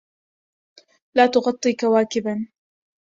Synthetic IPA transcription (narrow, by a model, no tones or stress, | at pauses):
laːt̪ʊɣɑt̪ˤːiːkawaːkɪban